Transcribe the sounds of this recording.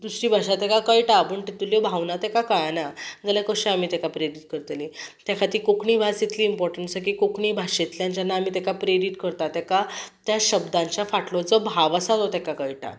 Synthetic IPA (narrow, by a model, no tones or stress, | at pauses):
d̪usɾiːbʱaɕat̪ɛkakəiʈapəɳʈit̪uljɔbʱawnat̪ɛkakajanad͡zəlakəɕẽamiːt̪ɛkapɾeɾiʈ̚kəɾt̪lit̪jakʰat̪iːkokɳiːbʱasit̪liːmpɔɾʈəɳʈsək̬ikokɳiːbʱaɕet̪ljãɲt͡ɕjanːaːmiːt̪ɛkapɾeɖiʈkəɾt̪at̪ɛkat̪jaɕəbd̪ãɲt͡ɕjafaʈlɔt͡səbʱaʋəsat̪ɔt̪ɛkakəiʈʰa̰